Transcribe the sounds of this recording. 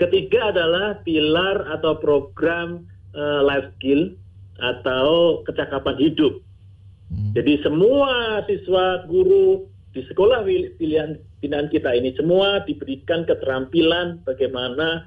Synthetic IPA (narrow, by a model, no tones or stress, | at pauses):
kət̪iɡaːdalahpilarat̪awpɾoɡɾam | əlajfskil | ʔat̪awkət͡ʃakapanɦidʊp̚ | d͡ʒadisəmuasiswaɡuɾu | d̥isə̥kolahipiliɦan | pinaankit̪ainisəmuadibəɾikankət̪əɾampilanb̥aɡajmana